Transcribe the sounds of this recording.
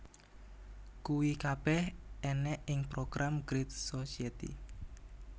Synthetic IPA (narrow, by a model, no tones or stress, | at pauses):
kuwikab̥ɛhɛnɛʔɪŋpɾoɡ̥ɾʔamɡ̥ɾit̪̚sosiet̪ḭ